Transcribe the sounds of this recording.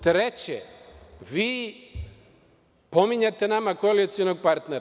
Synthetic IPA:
t̪ɾet͡ɕḛʋiː | po̞miɲat̪e̞namakojelit̪sionoɡ̚paɾt̪neɾa

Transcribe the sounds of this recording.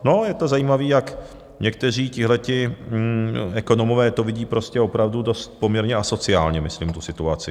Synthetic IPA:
no̞jɛt̪o̞zajiːmaviːjak | ɲɛk̚t̪ɛr̝iːcɪɦlɛcɪ | ɛko̞no̞movɛːt̪ovɪɟiːpɾo̞scɛo̞pɾavdudo̞st̪̚po̞mɲɛɾɲɛaso̞t͡sɪaːlɲɛmɪsliːmt̪usɪt̪uat͡sɪ

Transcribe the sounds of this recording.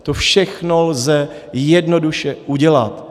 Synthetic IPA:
t̪ofʃɛxnolzɛ | jɛdnoduʃɛʔuɟɛlat̪

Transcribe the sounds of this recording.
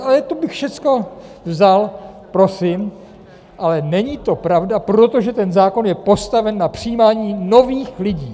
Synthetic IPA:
ʔalɛt̪obɪxfʃɛt͡sko̞ | vzal | pɾo̞sɪm | ʔalɛnɛɲit̪o̞pɾavdapɾo̞t̪o̞ʒɛt̪ɛnzaːko̞njɛpo̞st̪avɛnːapr̝̥ɪjiːmaːɲiːno̞viːxlɪɟiː

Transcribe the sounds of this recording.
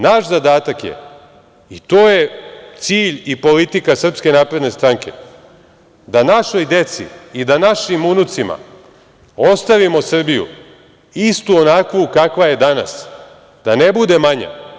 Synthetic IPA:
naːʃzad̪aːt̪akjḛ | it̪oːje̞t̪siːʎipo̞lit̪ikasr̩pske̞naːpɾe̞d̪ne̞st̪ɾaŋke̞̰ | d̪anaʃo̞jd̪e̞t̪sḭid̪anaʃimunut̪sima̰ | o̞st̪aʋimo̞sr̩bijṵ | ist̪uonakʋukakʋajed̪ana̰s | d̪̥ane̞bud̪e̞maɲa̰

